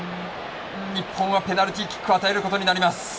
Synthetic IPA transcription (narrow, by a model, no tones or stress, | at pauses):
ɲʲipʰːõɰ̃ɡape̞naɾɯ̟t̪ʲikʲːi̥kːɯat̪ae̞ɾɯ̟kot̪o̞ɲ̟inaɾʲimasɨ̥